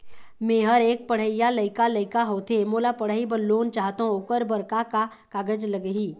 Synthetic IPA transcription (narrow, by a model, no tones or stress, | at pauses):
mẽːɦəɾeːk̚pəɽ̤əijalɐɪkalɐɪkaɦoːt̪ʰemoːlapɐɽ̤əibəlːoːnt͡ʃaːɦt̪ːɦõʊkəɾbəɾkaka | kaːɡəd͡ʒləɡɦiː